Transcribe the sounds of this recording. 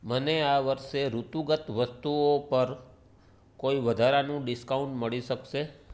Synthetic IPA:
məneaʋəɾʃeɾut̪uɡət̪ʋəst̪uopəɾ | koiʋəd̪ʱaɾanũɖɪskaũɳʈməɭiʃəkʃe

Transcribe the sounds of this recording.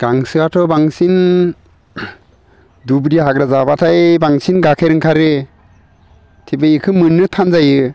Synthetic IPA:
ɡ̥aŋsɯatʰɔbaŋsin | dubɾiɦaɡɾazabatʰajbaŋsinɡakʰajɾɯŋkʰaɾɯ | tʰibɯjikʰɯmɯnːɯtʰanzajɯ

